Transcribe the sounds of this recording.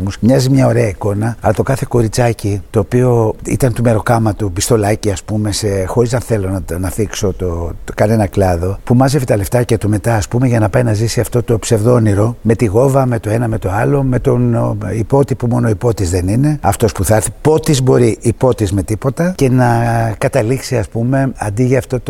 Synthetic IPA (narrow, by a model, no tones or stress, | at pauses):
musmɲɐzimɲɐo̞ɾe̞ɐiko̞nɐɐlɐt̪okɐθe̞ko̞ɾit͡sɐcit̪o̞ːpio̞ḭt̪ɐnt̪ume̞ɾo̞kɐmɐt̪upist̪o̞lɐciɐspume̞sexo̞ɾizɐnθe̞lo̞nnɐθikso̞t̪okɐne̞nɐklɐðo̞pumɐze̞vit̪ɐle̞ft̪ɐcɐt̪ume̞t̪ɐːspumeʝɐnɐpɐinɐzisiɐft̪o̞t̪o̞pse̞vðo̞niɾo̞me̞t̪iɣo̞vɐme̞t̪o̞e̞nɐme̞t̪oɐlo̞me̞t̪o̞nipo̞t̪ipumo̞no̞ipo̞t̪izðe̞nine̞ɐft̪o̞spuθɐɾθipo̞t̪izbo̞ɾiʔipo̞t̪izme̞t̪ipo̞t̪ɐce̞nɐkɐt̪ɐliksiɐspume̞ɐ̰nd̪iʝɐɐft̪o̞t̪o